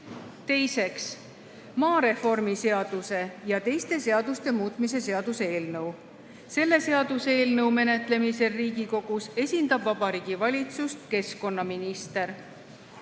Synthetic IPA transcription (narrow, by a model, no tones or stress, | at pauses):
t̪e̞jse̞ks | mɑːɾe̞fo̞rmise̞ɑd̪̥use̞jɑt̪e̞jst̪e̞se̞ɑd̪̥ust̪e̞muːt̪ˑmise̞se̞ɑd̪̥useeːlnɤw | se̞lːe̞se̞ɑd̪useeːlnɤwme̞ne̞t̪ˑle̞mise̞riːɡiko̞ɡ̥use̞sʲind̪̥ɑbvɑb̥ɑɾiːɡ̥ivɑlʲit̪sust̪ke̞sko̞nːɑminist̪e̞ɾ